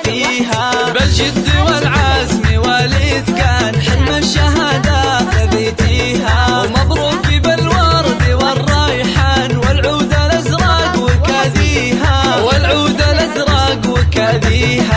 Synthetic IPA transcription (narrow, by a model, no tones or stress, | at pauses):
fiːɦabɪld͡ʒɪd̪ːiwɪlʕaːzmiwaːlid̪kaːnħɪmːaʃːaɦaːd̪aabeːt̪iːɦamɑd̪ˤɾuːkibɪlwɑːɾd̪iwɪrˤːɑːjħanwɪlʕuːd̪alʔazɾˤɑːɡwɪkaðiːɦawɪlʕuːd̪alʔazɾˤɑɡwɪkaðiːha